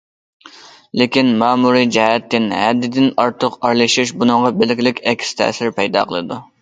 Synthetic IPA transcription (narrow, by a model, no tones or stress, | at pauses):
lɪkʲinmɑːmuɾid͡ʒɛhɛt̪ːɪnhɛ̰d̪ɪd̪ɪnɑɾt̪ʰəqɑɾlˠɨʃiʃbunɨŋʁɑbɪlɪkʲlɪkʲɛkʲʰst̪ʰæ̰sɪɾpʰɛjd̪ɑ̰ːqʰəlˠɨd̪u